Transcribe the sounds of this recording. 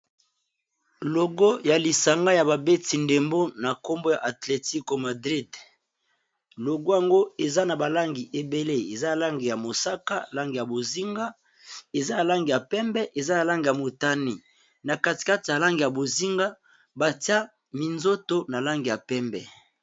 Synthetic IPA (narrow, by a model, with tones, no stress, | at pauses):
lo˨ɡo˦ja˨li˨sa˨ŋɡa˦ja˨ba˨be˦ti˨nde˨mbo˦na˨ko˦mbo˦ja˨ʔa˨tle˨ti˦ko˨ma˨dʁi˦d | lo˨ɡo˦ja˨ŋɡo˦e˨za˦na˨ba˨la˦ŋɡi˨ʔe˨be˦le˦e˨za˦a˨la˦ŋɡi˨ja˨mo˨sa˦ka˦˨la˦ŋɡi˨ja˨bo˨zi˦ŋɡa˦ | e˨za˦ja˨la˦ŋɡi˨ja˨pɛ˦mbɛ˦ʔe˨za˦na˨la˦ŋɡi˨ja˨mo˨ta˦ni˨ | na˨ka˦˨ti̥˨ka˦ti˨ja˨la˦ŋɡi˨ja˨bo˨zi˦ŋɡa˦ | ba˨ti˦a˦ | mi˨nzo˦to˦na˨la˦ŋɡi˨ja˨pɛ˦mbɛ̰˨